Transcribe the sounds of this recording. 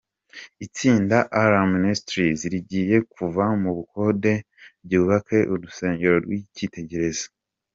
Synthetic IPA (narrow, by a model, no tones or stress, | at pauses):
it͡siːndaʔaɾaministɾiziɾiɟiːje̞kuvamuβuko̞ːde̞ | bɟuːβakʰe̞ʔuɾuse̞ːɲɟe̞ɾo̞ɾɡwicite̞ɟe̞ɾe̞zḁ